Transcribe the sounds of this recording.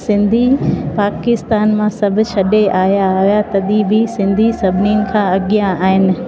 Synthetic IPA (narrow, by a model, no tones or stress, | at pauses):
sɪ̃nd̪ʱipaːkɪst̪aːnmãsɐbʱʊ̆t͡ʃʰɐɗeʔaːjaɦijat̪ɐɗibisɪ̃nd̪ʱisɐbʱɪniʊnɪ̆kʰãɐɠijãaːɦɪnɪ̆